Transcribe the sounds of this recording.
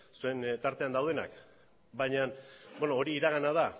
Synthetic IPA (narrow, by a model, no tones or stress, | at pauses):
sue̞nt̪aɾt̪e̞and̪awðe̞na̰k | bajɲanbenoːɾiːɾaɣ̞anað̞a